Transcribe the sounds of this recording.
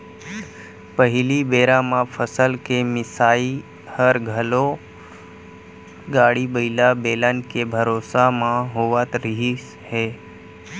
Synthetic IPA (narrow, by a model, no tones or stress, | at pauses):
pəɦɪlibeːɾãmãpʰəsəlkemɪsaːi | həɾɡʱəlo | ɡaːɽibəɪlabeːlənkebʱəɾoːsamãɦoʋat̪ɾɪɦi | heː